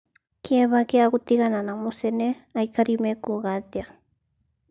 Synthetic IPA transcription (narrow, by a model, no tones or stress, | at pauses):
kʰeβakeakut̪iɣananamuseneajkaɾimekuɣad̪ja